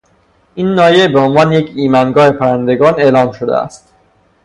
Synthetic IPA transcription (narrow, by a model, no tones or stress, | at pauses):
inːɒːje̞beonvɒːnejecʰiːmænɡɒːhepʰæɾænd̪e̞ɡɒːne̞ːlɒːmʃod̪ḛæ̰st̪